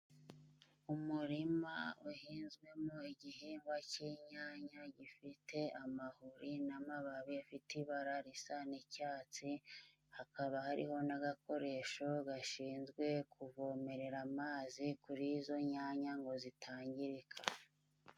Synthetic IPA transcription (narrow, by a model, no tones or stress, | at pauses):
umuɾimauhiːnzɡwe̞moiɟihiːmbwaciːɲaːɲaɟifitʰe̞amahuɾinamaβaβiafitiβaɾaɾisanicaːt͡si | hakaβahaɾḭho̞naɡako̞ɾe̞ʃo̞ɡaʃiːnzɡwe̞kʰuvo̞ːme̞ɾe̞ɾamaːzikuɾiːzo̞ɲaɲaŋɡo̞zitʰaːɲɟiɾikʰa